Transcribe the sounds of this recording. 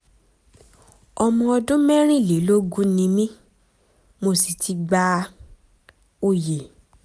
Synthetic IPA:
ɔ˧mɔ̃˧ɔ˧dũ˦mɛ˦ɾ̃ĩ˦˨le˨˦lo˦ɡu˦nĩ˧mĩ˦ | mo˧si˨tʰi˧˦ɡ͡ba˧ | o˦˨je˨

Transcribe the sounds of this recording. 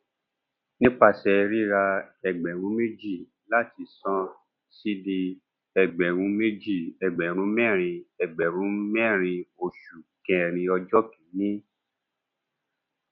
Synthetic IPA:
nĩ˦k͡pa˧˨sɛ˧ɾi˦ɾa˧ɛ˧˨ɡ͡bɛ̃˨ɾũ˨˦me˦d͡ʒi˦˨ | la˦˨ti˧˨sɔ̃˦ | si˦di˧ | ɛ˨ɡ͡bɛ̃˨ɾ̃ũ˨˦me˦d͡ʒi˦˨ɛ˨ɡ͡bɛ̃˨ɾ̃ũ˨˦mɛ̃˦˨ɾ̃ĩ˧ɛ˨ɡ͡bɛ˨ɾ̃ũ˨˦mɛ̃˦˨ɾ̃ĩ˧o˧ʃu˨kɛ̃˧˨ɾ̃ĩ˧ɔ˧d͡ʒɔ˦kĩ˨˦nĩ˦

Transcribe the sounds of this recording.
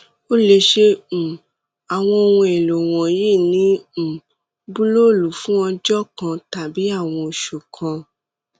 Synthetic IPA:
o˦le˧ʃẽ˧˨ | a˨w̃ɔ̃˧o˧wũ˧ɛ˨lo˨w̃ɔ̃˨je˦˨nĩ˨˦˨ | bu˦lo˦˨lu˨˦fũ˦ɔ˧d͡ʒɔ˦˨kã˧ta˨bi˨˦a˦˨w̃ɔ̃˧o˨ʃu˨kʰã˧

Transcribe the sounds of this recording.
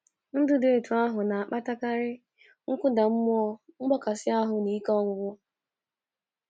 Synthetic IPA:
n̩˦dʊ˦de˨e˨tu˨a˦ɦʊ˨na˨a˨k͡pa˦ta˦ka˦ɾɪ˦ | ŋ̩˦kʷʊ˦da˨m̩˦m˦ɔ˦ŋ͡m̩˦ɡ͡bɔ˦ka˨sɪ˦a˦ɦʊ˨ni˨˦kɔ˦ŋʷʊ˨ɡʷʊ˦

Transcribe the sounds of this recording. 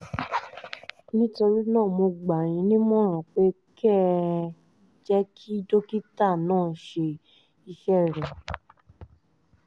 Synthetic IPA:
nĩ˦to˧ɾi˦nãː˦˨mo˧ɡ͡ba˨j̃ĩ˧˦nĩ˦mɔ̃˦˨ɾ̃ɔ̃˨k͡pe˨˦ | kɛ˦˨ | d͡ʒɛ˦kʰi˦do˦ki˦ta˦˨nãː˦˨ʃe˧ | i˧ʃɛ˦˨ɾɛ˨

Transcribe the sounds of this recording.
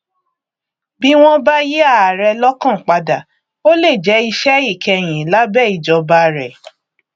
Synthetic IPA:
bi˦w̃ɔ̃˦ba˦ji˦a˦˨a˨ɾɛ˧lɔ˦kã˦˨k͡pa˧da˨ | o˦le˦˨d͡ʒɛ˨˦i˧ʃɛ˦i˦˨kɛ˧˨j̃ĩ˨la˨˦bɛ˦˨i˨d͡ʒɔ˧ba˧ɾɛ˨

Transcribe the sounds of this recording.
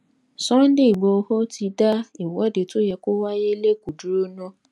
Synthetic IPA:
sɔ̃˦n̩˦de˦˨i˨ɡ͡bo˨˧ho˦ti˧da˦i˨wɔ˨˦de˨to˦jɛ˧ko˦wa˦je˦le˦ku˨du˨˦ɾu˦no˦

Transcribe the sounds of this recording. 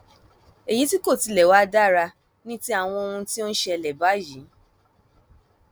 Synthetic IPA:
e˨ji˨˦ti˦ko˦˨ti˧lɛ˨wa˦da˦ɾa˧ | nĩ˦ti˦a˨w̃ɔ̃˧o˧ũ˧ti˦o˦ʃɛ˧˨lɛ˨ba˨˦ji˨˦

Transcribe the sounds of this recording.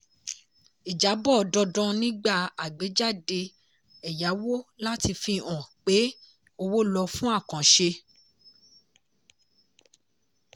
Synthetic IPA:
i˨d͡ʒa˨˦bɔ˦˨dɔ˧dɔ̃˧nĩ˦ɡ͡ba˦˨a˨ɡ͡be˨˦d͡ʒa˦˨de˧ | ɛ˨ja˨˦wo˦la˦ti˧fi˧ɔ̃˨k͡pe˨˦ | o˧wo˦lɔ˧fũ˦a˦˨kã˨ʃe˧

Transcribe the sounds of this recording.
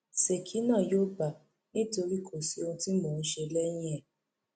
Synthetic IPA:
se˨kʰi˨˦nã˦˨joː˦ba˨ | nĩ˦to˧ɾi˦˨kʰo˨si˨˦o˧ũ˧˦ti˦moː˦˨n̩˦ʃe˧lɛ˦j̃ĩ˦ɛ˦˨

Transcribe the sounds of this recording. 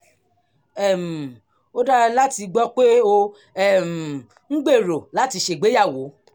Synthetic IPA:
ɛ˦˨m̩˨ | o˦da˦la˦ti˧ɡ͡bɔ˦k͡pe˦o˧ | ɛ˦˨m̩˨ | ŋ̩˦ɡ͡be˦˨ɾo˨la˨˦ti˧ʃe˦˨ɡ͡be˨˦ja˦˨wo˨˦

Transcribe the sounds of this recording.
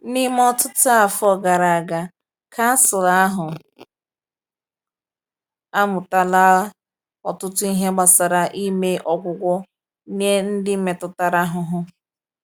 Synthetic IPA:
ni˦m˦ɔ˦tʊ˦tʊ˦a˨fɔ˦ɡa˨ɾa˨a˨ɡa˨ | kʰa˦sʊ˨la˦a˦ɦʊ˨ | a˦mʊ˨ta˦la˦ | ɔ˨tʊ˦tʊ˦i˦ɦe˦ɡ͡ba˨sa˨ɾa˨ʔi˦me˦ʔɔ˨kʷʊ˦kʷɔ˦ | n˦e˦n̩˦dɪ˦me˨tʊ˨ta˦ɾa˦ɦʊ˨ɦʊ˦

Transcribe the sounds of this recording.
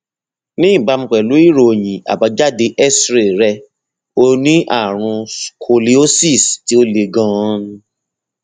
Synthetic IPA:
nĩ˦˨ba˧m̩̃˧k͡pɛ˨lu˨˦i˦˨ɾo˨j̃ĩ˨a̰˨ba˨˧˦d͡ʒa˦˨de˧ʔɛ˦sɾe˨ɾɛ˧ | o˧nĩ˦ʔa˦˨ɾ̃ũ˧kʰo˧li˦o˦si˦˨sti˨˦o˦le˧ɡɔ̃˦ñ˧

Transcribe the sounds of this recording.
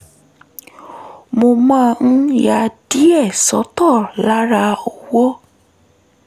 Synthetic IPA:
mo˧mã˦˧ñ̩˦ja˧di˦ɛ˦˨sɔ˨˦tɔ˦˨la˦ɾa˧ɔ˨wɔ˦

